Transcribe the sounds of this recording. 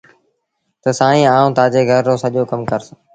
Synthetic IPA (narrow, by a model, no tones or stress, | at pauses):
t̪əsãːĩːaːũːt̪aːd͡ʒeːɡʱəɾːoːsəʄoːkəmkəɾs